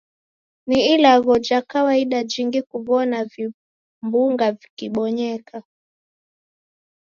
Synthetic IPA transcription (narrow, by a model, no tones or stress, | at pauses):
niilaɣɔd͡ʒakawaiɗad͡ʒiŋɡikuvɔnavi | mbuŋɡavikiɓɔɲɛkʰa